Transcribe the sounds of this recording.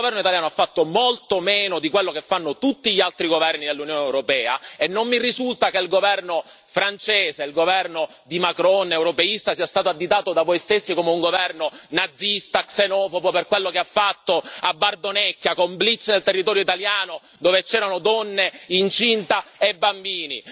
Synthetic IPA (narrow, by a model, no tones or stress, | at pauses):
vɛrnoit̪aljaːnoafːat̪ːomolt̪omɛːnod̪ikwelːokefːanːot̪ut̪ːiʎialt̪ɾiɡovɛrnid̪elːunjoːnewɾopɛːa̰enːomːirizult̪akeilɡovɛrno | fɾant͡ʃeːseilɡovɛrno | d̪imakɾɔnewɾopeist̪asiːast̪aːt̪̬oad̪ːit̪aːt̪od̪avojst̪esːikoːmeuŋɡovɛrnonad̪zːist̪aksenɔːfopoperkwelːokeafːat̪ːoabːard̪onɛkːjakomblit̪sːnelt̪erːit̪ɔːɾjoit̪aljaːno | d̪oːvet͡ʃɛːɾanod̪ɔnːeint͡ʃint̪aebːambiːni